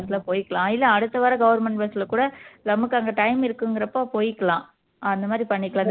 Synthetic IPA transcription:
sɪlɐpoːjɪkːɐɭlãːɪlːɐɐɽɯt̪ːɐʋaːɾɐɡɐʋɐɾmɛɳʈbɐsɪlɐkuːɽɐlɐmɯkːɐŋɡɐʈɐɪmɪɾɯkːɯŋɡɪɾɐpːõːpoːjɪkːɐɭãː | ɐnd̪ɐmaːd̪ɾipɐɳːɪkːɐɭãːd̪

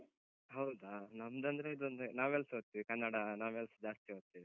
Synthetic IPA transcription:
ɦɐwd̪aːnɐmd̪ɐnd̪ɾeid̪nd̪unaːʋelsɦoːt̪ːiʋikɐnːaɽɐnaːʋelsd͡ʒaːst̪iɦoːt̪ːiʋi

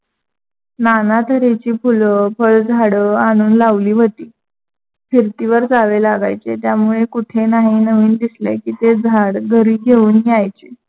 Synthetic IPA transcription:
nanat̪ʰəɾet͡ɕiːpʰuləfʰəɭd͡zʱaɽəaɽ̃uːnlaʋliːʋət̪iː | fiɾt̪iʋəɾd͡zaʋelaɡa̰jt͡set̪jamuɭekuʈʰenaɦinəʋiːnd̪islḛkiːt̪ed͡zʱaɽɡʱəɾiːɡʱeuːnɦiajt͡ɕe

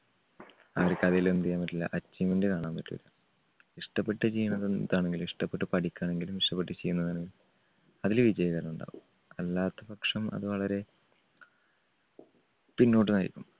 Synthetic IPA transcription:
ɐʋɐrkʲːɐðijlend̪ijaːmɐtːilːɐ̰ʔɐt͡ɕːimendɨkaːɳaːmpɐtːuʋḭlːɐ | iʂʈɐpːe̞ʈːɨt͡ɕejːunːɐðeðaːɳe̞ŋɡiliʂʈɐpːeʈːɨpɐʈikʲːaːɳe̞ŋɡilumiʂʈɐpːe̞ʈːɨt͡ɕejunːɐðaːɳeŋɡil | ɐðilʋid͡ʑɐjɐɣɐɾɐmuɳɖa̰ːɣumm | ɐlːaːt̪ːɐpɐkʂɐmɐ̰ðɨʋɐɭɐɾe̞ | pinːo̞ːʈːɨnɐɾikʲːum

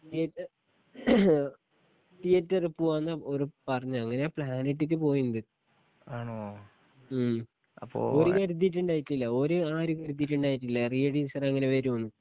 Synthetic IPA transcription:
ʈiɐtːɐ | ʈijɐtːɐrɨpuanːɐoɾupɐrɐɲːuɐŋːɐnepɭaːneʈ̬ːikːɨpo̞ːjunːɐðɨ | aːɳo | ɐpːo̰oɾukɐɾud̪ːiʈːuɳɖaːjiʈːilːɐoɾuaːɾukɐɾud̪̬iʈːuɳɖaːjiʈːilːɐrijɐɽiːsɐrɐŋːɐne̞ʋeːɾumonːɨ

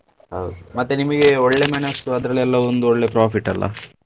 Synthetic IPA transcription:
hɐ̰wd̪umɐt̪ːenimɐɡe̞oɭːe̞menɐst̪uɐd̪ɾɐɭɛlːɐond̪uoɭːepɾaːfiʈːɐlːɐ̰

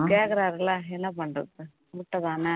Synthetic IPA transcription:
keːkːɐɾaːɾɐlːɐɛnːɐpɐɳɖɐðɯ | mʊʈːɐðaːnɐ

